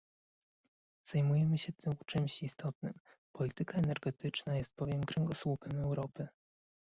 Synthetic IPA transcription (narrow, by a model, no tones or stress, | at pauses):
z̥ajmujɛmɘɕɛt̪ʰɘmt͡ʂɘmɕist̪ʰɔt̪̚nɘ̰m | pɔlʲit̪ɘkaɛnɛɾɡɛt̪ɘt͡ʂnajɛst̪̚b̥ɔvʲjɛmkɾɛŋɡɔswupɛmɛwɾɔpɘ